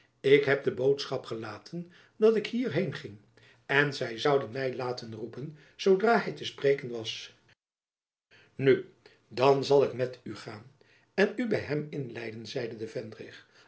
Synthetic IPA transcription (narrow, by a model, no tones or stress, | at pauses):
ɪkɦɛp̚dəbowtsχɑpχəlaːtʰən | dɑtɪkhiːɹɦejnχɪŋ | ɛnzɛjzʌwdənmɛjlaːtənrupən | z̥owdraːɦɛjtəspreːkənʋɑs | ny | dɑnzɑlˠɪkmɛtyχaːn | ɛnybɛjɦɛmɪnlɛjdənzɛjdədəvɛndrɪχ